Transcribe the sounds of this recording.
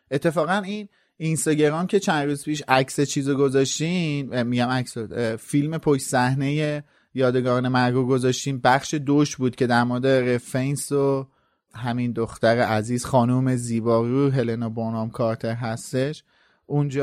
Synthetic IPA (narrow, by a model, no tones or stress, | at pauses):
ʔe̞t̪ʰːe̞fɒːɣæniːn | inst̪ɒːɟe̞ɾɒːmcʰe̞t͡ʃʰænd̪ɾuːzpʰiːʃæcset͡ʃʰiːzoɡo̞zɒʃt̪imiɟæmæcsofilme̞pʰoʃsæhne̞je̞ | jɒːd̪e̞ɡɒːne̞mæɾɡuːɡo̞zɒʃt̪iːmbæχʃe̞d̪oʃbuːd̪̚cʰe̞d̪æɾmoɾed̪e̞ɾe̞fenso | ɦæmind̪oxt̪æɾeʔæziːz̥xɒːnuːme̞ziːbɒːɣiɾuɦe̞lenobonɒːmkʰɒːɾt̪ʰe̞ɾɦæst̪e̞ʃ | ʔund͡ʒɒː